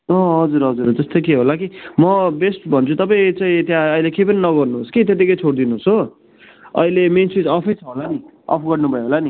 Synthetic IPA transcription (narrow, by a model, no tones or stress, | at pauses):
ʌɦʌd͡zuɾɦʌd͡zuɾd͡zʌst̪okeɦolakimʌbesʈbʱʌnt͡sʰut̪ʌpaĩt͡sãĩt̪jãʌjlekep̬ʌninʌɡʌrnuɦoskit̪̬et̪̬ikʌjt͡sʰoɽd̪inuosɦo | ʌ̰ilemensit͡sʌpʰʌjt͡sʰʌɦolani | ʌ̰pʰɡʌrnubʱʌjeɦolani